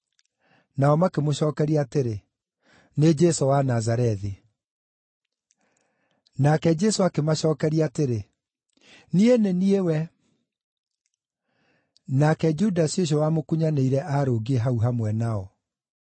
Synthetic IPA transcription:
naɔmakemoʃɔːkɛɾiateɾe | ned͡ʒɛsowanazaɾɛði | nakɛd͡ʒɛsoakemaɕɔːkɛɾiateɾe | nieneniewɛ | nakɛd͡ʒudasioɕ̬ɔwamokuɲaneiɾɛʔaɾoɡieɦauɦamwɛnaɔ

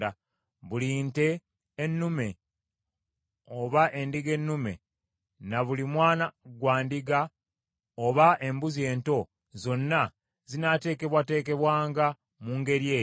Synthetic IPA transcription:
a | βuliːnte̞ː | nːume̞ | o̞βaʔe̞ndiɡe̞nːume̞̰ | naβulimwaːnaɡwaːndiɡa | oβaʔe̞mbuzie̞ːnto̞ | zo̞nːa | zinate̞ːke̞βwate̞ːk̬e̞βwaːŋɡa | muŋɡe̞ɾijeː

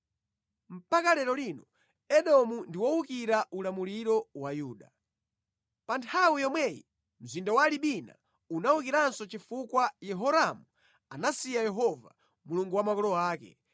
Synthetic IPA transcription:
m̩pakalɛɾɔlinɔ | ɛɗɔmundiwɔukiɾaʔulamuliɾɔwajuːɗa | pantʰawijɔmwɛjḭ | m̩zindawaliɓina̰ | unaukiɾansɔt͡ʃifukwajɛɦɔɾamu | anasijajɛɦɔva̰ | muluŋɡuwamakɔlɔaːkɛ̰

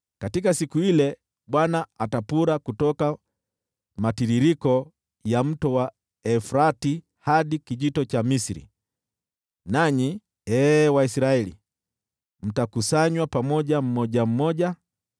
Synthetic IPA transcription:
katikasikuilɛ | ɓwanaːtapuɾakutɔka | matiɾiɾikɔ | jam̩tɔwa | ɛfɾati | haɗikiʄitɔt͡ʃamisiɾḭ | naɲi | ɛːwaisiɾaɛlḭ | m̩takusaɲwapamɔʄam̩mɔʄam̩mɔɟa

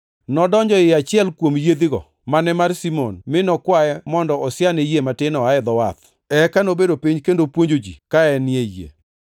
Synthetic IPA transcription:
nɔdɔɲd͡ʒɔɪat͡ʃɪɛlkwomjed̪ɪɡɔ̰ | manɛmarsimo̰nmɪnɔkwaɛmɔndɔɔsɪanejematɪnɔaɛd̪ɔwat̪ | ɛkanobedopiɲkendopwoɲd͡ʒod͡ʒḭkaɛnɪejḛ

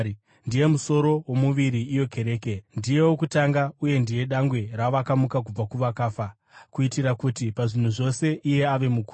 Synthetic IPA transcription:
ndije̞muso̞ɾo̞womuʋiɾiːjo̞kʰe̞ɾe̞ːke̞ndije̞wokutaŋɡauje̞ndije̞ɗaŋɡwe̞raʋakamukak̬ub͡vakuʋakaːfa | kuitiɾakutipaʐin̤uʐo̞se̞ʔije̞aʋe̞muku

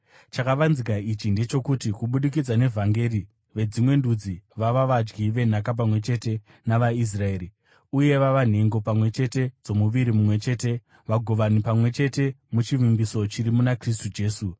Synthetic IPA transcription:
t͡ʃakaʋanzikait͡ʃinde̞t͡ʃo̞kutikuɓuɗik̬id͡zane̞vʱaŋɡe̞ɾi | ʋe̞d͡zimwe̞ndud͡ziʋaʋaʋad͡ʒɡiʋe̞n̤akap̬amwe̞t͡ʃe̞te̞ | naʋais̬rae̞ːɾi | uje̞ʋaʋan̤e̞ŋɡo̞pamwe̞t͡ʃe̞te̞d͡zo̞muʋiɾimumwe̞t͡ʃe̞ːte̞ | ʋaɡʱo̞ʋanipamwe̞t͡ʃe̞te̞mut͡ʃiʋimbiso̞t͡ʃiɾimunakris̬tud͡ʒe̞ːsu

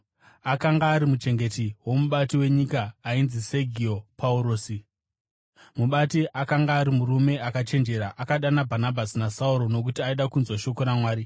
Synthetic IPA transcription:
akaŋɡaːɾimut͡ʃe̞ŋɡe̞tiwo̞muɓatiwe̞ɲikaːinzise̞ɡʱiopʰauɾo̞ːsi | muɓatiʔakaŋɡaːɾimurume̞ʔakat͡ʃe̞nd͡ʒe̞ɾaʔakaɗanabʱanabʱasinasauɾo̞no̞k̬utiaiɗakunzwaʃo̞koɾamwaːɾi

